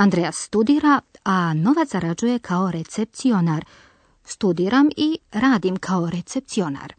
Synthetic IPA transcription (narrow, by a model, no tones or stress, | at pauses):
and̪ɾejasːt̪ud̪iːɾaano̞ʋat̪zaɾad͡ʒuje̞kʰao̞ɾe̞t̪sep̚t̪sio̞naɾ | st̪ud̪iːɾamiɾaːd̪imkʰao̞ɾe̞t̪se̞p̚t̪sio̞na̰ɾ